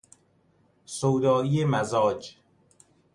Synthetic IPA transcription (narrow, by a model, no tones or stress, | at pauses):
sowd̪ɒːijemæzɒːd͡ʒ